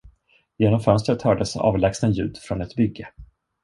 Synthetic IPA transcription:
jeːnɔmfœnst̪ɾət̪hœːɖəsɑ̰ːvlɛksnɛnjʉ̟ːd̪fɾɔnɛt̪bʏɡːə

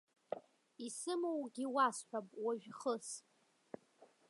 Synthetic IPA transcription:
isɨmowɡʲiwasħʷᶣapʼwaʒᶣχəs

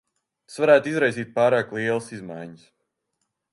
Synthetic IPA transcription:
t̪ḁsvaɾæːt̪izɾajsiːt̪̚paːɾaːklˠiɛlˠəsizmajɲəs

